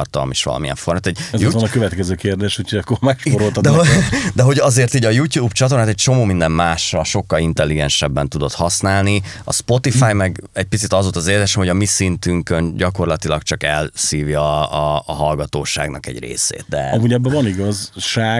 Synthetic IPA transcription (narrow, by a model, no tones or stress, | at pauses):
rt̪ɒ̰lmiʃʋɒ̰lɒ̰miɛ̰ɱfo̞rmat̪ɛɟɛzjt̪nɔkøvɛt̪kɛzøːkeːrd̪eːʃhucʰoɟɒkːormakʃpoɾolɒd̪ɛod̪ɛɦo̞ɟɒzeːrt̪iːɟɒjuːtjuːbt͡ʃɒt̪̬ornat̪ɛc̚t͡ʃo̞moːmind̪ɛmmaːʃrɒʃo̞kːɒlint̪ɛlːiɡɛnʃɛbːɛnt̪ud̪o̞t̪hɒsnaːlniɒ̰spo̞t̪ifaːjmɛɡɛɟ̚pit̪sit̪ɒzot̪ɒzeːlzeːʃɛmho̞ɟɒmisint̪yŋkønɟɒko̞rlɒt̪ilɒkt͡ʃɒkɛlsiːvjɒː | ɦɒlɡɒt̪oːʃa̰ːɡnɒ̰kɛ̰ɟrḛːsḛːt̪̚d̪ɛ̰ɒmuɟɛbːɛvɒniɡɒzʃaː